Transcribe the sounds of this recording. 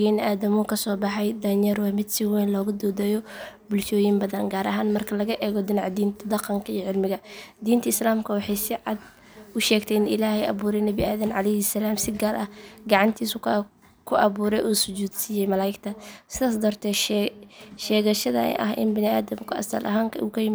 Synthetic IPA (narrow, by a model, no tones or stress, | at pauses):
bnɪʔaːðɐmʊkʰɐsɔːbɑħɑjd̪ɐɲɐɾwɑːmɪd̪sɪwɛːnlɔːɣʊd̪ɔːd̪ɛːjɔbʊlʃɔːjɪmbɐðɐnɡaːɾɐ̰ɦaːnmɐrkʰɐlɐɣɐʔɛːɣɔd̪ɪnɑʕd̪iːnt̪ʰɐd̪ɑqɐŋkʰɐiːʕɪlmɪɣɐd̪iːnt̪ʰɐɪslaːmkʰɐwɑħɑjsɪʕɑd̪̚ | ʔʊʃɛːɡt̪ʰɛɪnɪ̰laːhɛjʔɐ̰βuːɾɛjnɐβɪʔaːðɐmʕɑlɛjhɛsɐlaːmsɪɡaːrʔɐ̰hɡɑʕɑnt̪ʰiːsʊ | kʰʊʔɐβuːɾɛjʔuːsʊt͡ʃuːd̪siːjɛjmɐlaːjɪɡt̪ʰɐsɪðaːs̬d̪ɔːrt̪ʰɛːʃ | ʃɛːɣɐʃɐðɐ̰ʔɐ̰ɦɪ̰nbɪnɪa̰ːðɐmkʰʊɐ̰st̪ɐ̰lʔɐ̰ɦaːŋkʰɐukʰɐjɪm